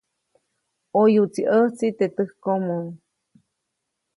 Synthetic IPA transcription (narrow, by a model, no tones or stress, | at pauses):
ojut͡siʔəht͡sit̪et̪ɨhkomoŋ